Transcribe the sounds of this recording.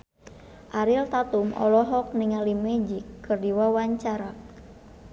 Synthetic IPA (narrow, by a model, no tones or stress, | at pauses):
ʔaɾilt̪at̪umɔ̰lɔɦɔk̚niŋalimɛd͡ʒikːɨrdiwawaɲt͡ʃaɾa